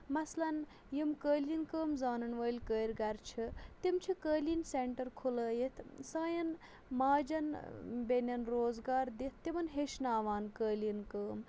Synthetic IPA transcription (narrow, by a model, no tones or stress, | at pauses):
mɐslɐn | jimkəːlinkəːmzaːnɐnʋəːlʲkəːɾʲɡɐɾt͡ʃʰit̪imt͡ʃʰikəːlinseɳʈɐɾkʰuləːjit̪ʰsaːjɐn | maːd͡ʒɐnbenʲɐnɾoːzɡaːɾd̪it̪̚ʰt̪ːimɐnɦeʃnaːʋaːnkəːlinkəːm